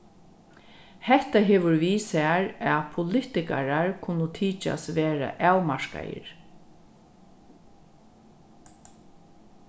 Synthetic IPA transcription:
hɛht̪aɦeːʋʊɾʋiːsaaɹapʰʊlɪt̪ɪka̰ɾaɹkʰʊnʊt̪ʰiːt͡ʃa̰sʋeːɾa̰ʔaːwmaɹka̰jə̰ɾ

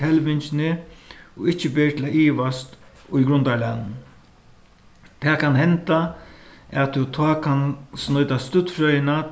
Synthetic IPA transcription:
ɛlʋɪnt͡ʃnɪɔɪht͡ʃːɪbeːt̪ʰlaʔiːʋast̪ | ʊjɡɾʊnt̪aɹlanː | t̪ʰɛːkʰanɦɛnt̪a | ɛt̪ʰːʊt̪ʰɔːkʰansnɔʏt̪ast̪ʊt̪fɾœʏjna

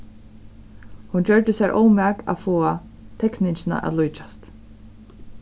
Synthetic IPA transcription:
hunt͡ʃœɹd̪ɪsɛːɹʔo̰wmɛːka̰foːa | t̪ʰɛknɪnt͡ʃɪna̰ʔa̰ðlujt͡ʃḁst̪

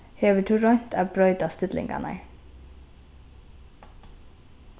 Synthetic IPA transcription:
heːʋəʈʰʉɹɔnt̪ʰæːbɾœʏd̪ɑst̪ɪd̪lɪ̰ŋɡɑ̰nə̰ɪ

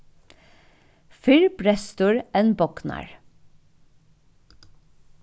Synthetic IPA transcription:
fɪɹbɾɛst̪ʊɹeːnbɔknɑ̰ɹ

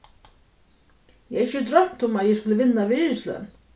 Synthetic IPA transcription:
jɛɛçɪt̪ɾœm̥t̪ʊmaðjɛskʊləvɪnːavɪɪːɾɪslœ̰n

